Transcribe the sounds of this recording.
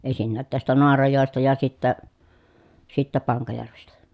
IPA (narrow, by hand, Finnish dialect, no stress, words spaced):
en̞sinːæːt tæstæ noɑrɑjoˑestɑ jɑ sitːæ sitːæ pɑŋkɑjærʋestæ